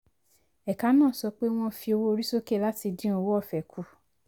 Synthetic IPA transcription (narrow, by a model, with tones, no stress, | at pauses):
ɛ˨ka˨˦nãː˦˨sɔ˧k͡pe˦w̃ɔ̃˧fi˧o˧wo˦o˧ɾi˦so˦ke˦˨la˦ti˧dĩ˦o˧wo˦ɔ˦˨fɛ˨kʰu˧˦